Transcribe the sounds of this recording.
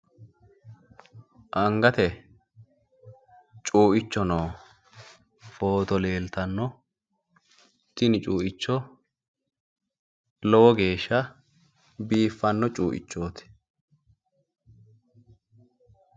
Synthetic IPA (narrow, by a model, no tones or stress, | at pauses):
ʔɐŋɡɐt̪ɛ | t͡ʃʼuːʔɪt͡ʃːɔnoː | fo̞ːt̪ɔle̞ːlt̪ɐnːɔ | t̪ːɪnɪt͡ʃʼuːʔɪt͡ʃːɔ | lɔwɔɡe̞ːʃːɐ | biːfːɐnːɔt͡ʃʼṵːʔɪ̰t͡ʃːoːt̪ɪ̥